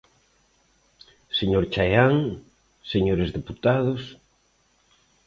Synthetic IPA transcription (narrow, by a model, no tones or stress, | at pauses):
seɲoɾt͡ʃajaŋ | seɲoɾezðeput̪aðos